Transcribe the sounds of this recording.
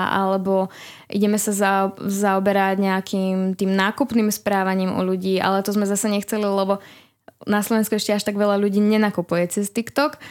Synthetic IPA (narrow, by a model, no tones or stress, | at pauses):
ʔa̰lɛbɔ | ʔḭɟɛmɛsazazaɔbɛɾaɟɲɛakʰiːmt̪iːmnaːkupniːmspɾaːʋaɲiːmɔ̰ʎuɟiːʔa̰lɛt̪ɔzmɛzasɛɲɛxt͡sɛlilɛbɔ | naslɔʋɛnskuɛʃcɛaʃt̪aɡʋɛʎaʎuɟiːɲɛnakupujɛt͡sɛst̪ikt̪ɔk